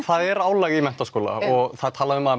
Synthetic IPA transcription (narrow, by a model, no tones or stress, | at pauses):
θaðɛɾaːwlaɣimɛn̥t̪askoːla̰ɔɣθaðt̪ʰaːlaðʏʏmað